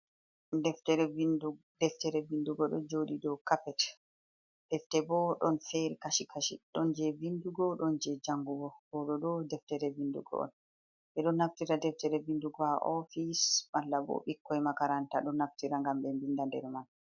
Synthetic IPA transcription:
dɛftɛɾɛi | dɛftɛɾɛvinduɡɔɗɔ̰d͡ʒoɗidɔkapɛt | d̥ɛftɛbɔɗɔnfɛɾikaʃikʰaʃḭɗɔnd͡ʒɛvinduɡɔɗɔnd͡ʒɛd͡ʒaŋɡuɡɔɡɔɗɔɗɔdɛftɛɾɛvindṵɡɔ̰ɔ̰n | ʔɛɗɔnːaftiɾadɛftɛɾɛvinduɡɔaʔɔfismalːabɔ̰ɓikːɔjmakaɾantaɗɔnːaftiɾaŋɡamɓɛmbindandɛ̰ɾmal

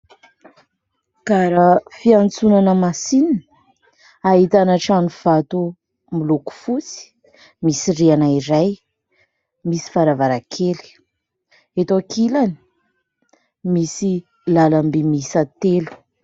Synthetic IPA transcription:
kaɾəfiant͡sunanəmasinin | aɦit̪anaʈ͡ʂanuv̥at̪u | miluku̥fut͡si̥ | misirianaiɾaj | misi̥faɾavaɾakʰeli̥ | et̪okʰilani̥ | misi | lalambimisat̪elu̥

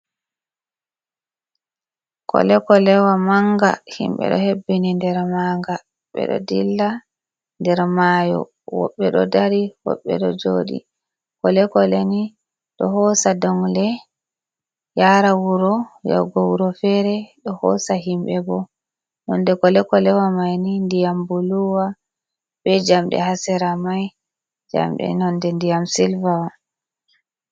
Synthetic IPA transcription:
kʰɔ̰lɛkɔlɛwamaŋɡa̰hḭmɓɛ̰ɗɔhebːinindɛɾmaŋɡa | ɓɛ̰ɗɔ̰dilːa | ndɛɾmajɔ̰ | wɔ̰ɓːɛɗɔdaɾiwɔ̰ɓːɛ̰ɗɔd͡ʒoːɗḭ | kɔlɛkɔleni | ɗɔhɔsadɔŋlɛ | jaɾawuɾɔjɔ̰ɡɔwuɾɔfɛɾɛɗɔhɔ̰saɦimbɛbɔ | nɔndɛkɔlɛkɔlɛwamajnindijambuluwa | bɛd͡ʒamɗɛ̰hasɛɾamaj | d͡ʒa̰mɗɛ̰nɔndɛndijamsilvawa

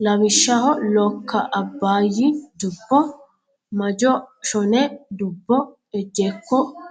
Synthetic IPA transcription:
lɐwɪʃːɐɦɔlɔkʰːɐʔɐbːaːjɪd̪ʊbːɔ | mɐd͡ʒɔʃɔnɛd̪ʊbːɔ | ɛd͡ʒːeːkːɔ

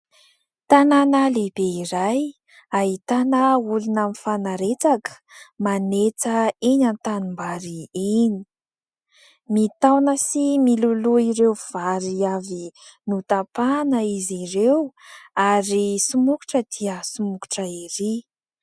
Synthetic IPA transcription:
t̪ananalebeiɾaj | ait̪anəulunamifanaɾet͡sakə̥manet͡səeɲant̪animbaɾieni̥ | mit̪awnəsimiluluiɾewv̥aɾiavinut̪apanəiziɾewaɾisumuku̥ʈ͡ʂəd̪̥iəsumuku̥ʈ͡ʂəiɾi

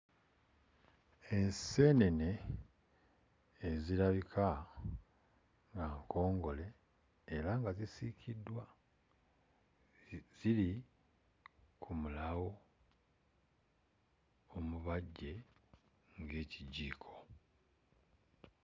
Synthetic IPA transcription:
e̞nse̞ːne̞ne̞ | ziɾaβikʰa | ŋɡaŋko̞ːŋɡo̞le̞ː | ɾaŋɡazisicʰidːwa | z̥ili | kʰumulawo̞ | omuβaɟːe̞ | ŋɡe̞ːciɟiːkʰo̞̥

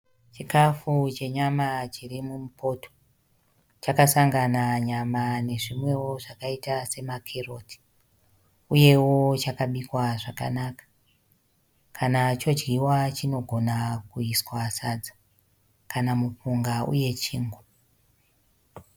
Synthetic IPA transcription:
t͡ʃikafut͡ʃe̞ɲamat͡ʃirimumupo̞to̥ | t͡ʃakasaŋɡanaɲamane̞ʐimwe̞wo̞ʐakaitase̞makʰero̞tʰi̥ | uje̞wo̞t͡ʃakaɓikwaʐaka̰nakḁ | kʰanat͡ʃo̞d͡ʒɡiwat͡ʃino̞ɡʱo̞nakuiswasad͡za | kanamupuŋɡaṵje̞t͡ʃiːŋɡu

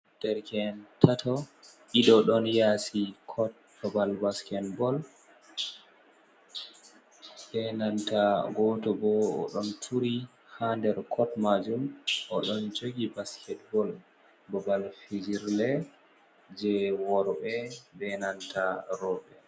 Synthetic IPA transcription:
d̥ɛɾkɛntʰatʰɔʔiɗɔɗɔnjasikʰɔt̚bɔbalbaskɛtbɔl | bɛnantaɡɔtɔbɔɔ̰ɗɔntʰuɾi | handɛɾkʰɔtmad͡ʒumʔɔɗɔnd͡ʒoɡibaskʰɛt̚bɔl | bɔbalfid͡ʒiɾlɛ | d͡ʒɛwɔɾbɛbɛnantaɾɔɓɛ

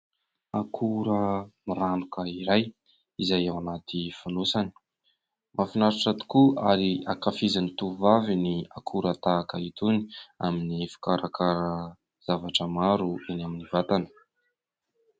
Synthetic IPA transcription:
akʰuɾəmiɾanukəiɾaj | izajewanat̪ifunosani̥ | mafinaɾaʈ͡ʂat̪u̥kuaɾiakafizanit̪uvaviniakʰuɾət̪aːkəit̪uni̥a̰minifi̥kaɾʔakʰaɾə | z̥avaʈ͡ʂəmaɾuinaminivat̪anə̥

